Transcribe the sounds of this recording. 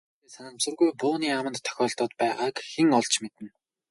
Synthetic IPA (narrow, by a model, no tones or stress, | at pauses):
eːsanə̆ŋmt͡sŭrɣujpʊːniːamə̆nt̪ʰːœ̥xʲɔːɮt̪ɔːt̪pæːʁaːkxeŋɔɮt͡ɕmet̪ɘ̆n